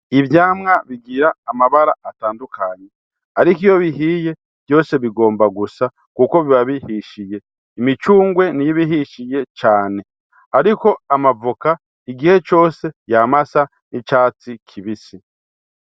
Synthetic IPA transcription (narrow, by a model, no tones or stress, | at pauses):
iβjaːmŋaβiɡiɾaːmaβaɾa̰ataːndukʰaɲe̞ | aɾikijo̞βiɦije̞ | β̥jo̞ːse̞βiɡo̞ːmbaɡusa | kuko̞βiβaβihiʃije̞ | imit͡ʃuːŋɡwe̞nijiβiɦiʃije̞t͡ʃaːne̞ | aɾiko̞amavuka | iɡihe̞t͡ʃo̞ːse̞jamasa | nit͡ʃaːt͡sikʰiβisi